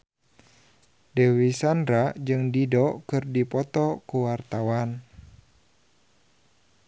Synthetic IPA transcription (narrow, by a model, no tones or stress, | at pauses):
dɛwisandɾad͡ʒɨŋdidɔkɨrdipɔt̪ɔkuwart̪awan